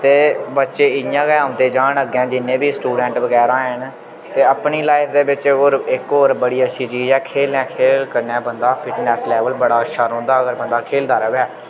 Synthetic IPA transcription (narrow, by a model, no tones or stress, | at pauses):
t̪eːbətːʃeːɪɪjãːɡɛãːmt̪eːd͡ʒaːɳəɡɛ̃ːd͡ʒɪnːẽːbiːsʈuːɖɛ̃ːɳʈbəɡɛːɾãːən | t̪eːəpɳiːlaːɪpʰd̪eːbɪt͡ʃoːɾɪkoːɾbəɽiːəʃʰiːt͡ʃiːd͡ʒɛːkʰeːlɛ̃ːkʰeːlkəɾnɛ̃ːbənd̪aːpʰɪʈnɛːslɛːʋəlbəɽaːʃəɾɦõːnd̪aːəɡəɾbənd̪aːkʰeːld̪aːɾʋɛː